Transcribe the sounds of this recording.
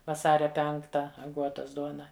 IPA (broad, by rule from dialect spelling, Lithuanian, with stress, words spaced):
ʋɐˈsɑːrʲɛ ˈpʲɛŋktɐ ɐˈɡuɔtɐs ˈduɔnɐ